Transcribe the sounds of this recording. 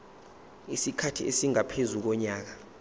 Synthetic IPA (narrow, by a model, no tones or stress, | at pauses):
isikʰatʰiesiŋapʰezuk̬ɔɲaːk̬a